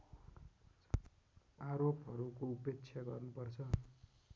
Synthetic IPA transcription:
aɾopɦʌɾukoupek̚t͡sʰjaɡʌrnupʌrt͡sʰʌ

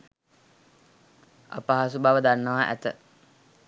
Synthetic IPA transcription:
a̰paɦasubaʋəd̪anːəʋaːʔæ̰t̪ə

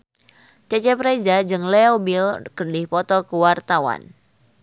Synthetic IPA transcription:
t͡ʃɛt͡ʃɛpɾed͡ʒad͡ʒɨŋleobilkərdɪhpɔt̪ɔkəwart̪awa̰n

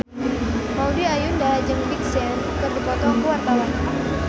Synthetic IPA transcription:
maudiajundaad͡ʒəŋbiksɛn | kərdipɔt̪ɔkuwart̪awan

